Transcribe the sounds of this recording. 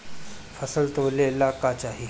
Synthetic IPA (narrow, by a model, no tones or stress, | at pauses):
fəsəlt̪olelakat͡ɕaɦi